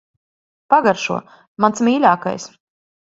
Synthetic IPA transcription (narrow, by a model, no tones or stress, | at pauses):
paɡaɾʃṵɔ | mansmiːlʲaːka̰js